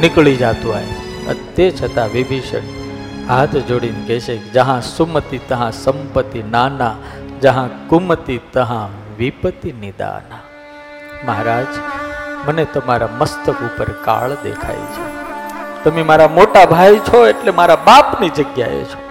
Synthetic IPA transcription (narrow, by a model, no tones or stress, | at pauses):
nɪkɭid͡ʒat̪ũa̰ | ə̰t̪et͡ʃʰət̪aʋibʱiʃə̰ɳ | ɦat̪ʰd͡ʒoɽinɡeʃekd͡ʒəɦãsumət̪it̪əɦãsəmpət̪ːinanad͡ʒəɦãkumət̪it̪əɦãʋipət̪inid̪a̰na | məɦɾaːd͡ʒmənet̪əmaɾaməst̪əkupəɾka̰ɭd̪ḛkʰa̰jt͡ʃʰe | t̪əmemaɾamoʈabʱajt͡ʃʰoeʈlemaɾabapnid͡ʒəɡja̰ḛt͡ʃʰo̥